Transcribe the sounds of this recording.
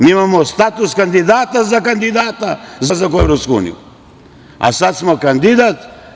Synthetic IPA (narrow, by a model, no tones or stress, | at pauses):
miimamost̪at̪uskand̪id̪aːt̪azakand̪id̪aːt̪azazakoevɾopskuṵnḭjṵ | a̰sat̪smokand̪id̪at̪